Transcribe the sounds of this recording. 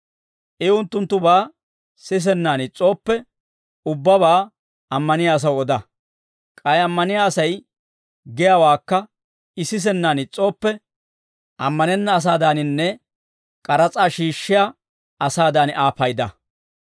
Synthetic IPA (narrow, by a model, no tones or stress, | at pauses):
ʔɛʊnt̪ːʊnt̪ːʊbaː | sɪs̬ɛnːaːnɪt͡sʼo̞ːpːɛ | ʊbːɐβaː | ɐmːɐnɪjaːs̬ɐwɔd̪ɐ | kʼɐjɐmːɐnɪjaːsɐj | ɡɪjaːwaːkːɐ | ɪsːɪs̬ɛnːaːnɪt͡sʼo̞ːpːɛ | ʔɐmːɐnɛnːɐːs̬aːd̪aːnɪnːɛ | kʼɐɾɐt͡sʼaːʃiːʃːɪja | ɐsaːd̪aːnʔaːpɐjd̪ɐ̰